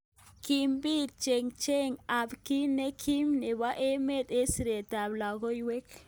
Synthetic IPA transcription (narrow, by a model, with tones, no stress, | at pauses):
ki˨mbi˦t͡ʃe˨ŋt͡ʃe˦ŋa˨bki˦ne˦kʰi˦mne˨ba˦ʔe˦me˦˨te˦si˨ɾe˨ta˨bla˨ɡo˦jwe˦k